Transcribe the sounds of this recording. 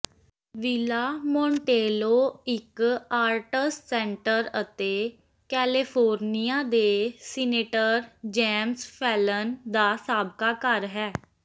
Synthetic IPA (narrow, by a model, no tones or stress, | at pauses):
ʋɪlaːmõːɳʈeːloːɪkaːɾʈəssɛ̃ːɳʈəɾət̪eː | kɛːlɪpʰoːɾnijaːd̪eːsɪneːʈəɾd͡ʒɛːmspʰɛːlənd̪aːsaːbkaːkəɾɦɛː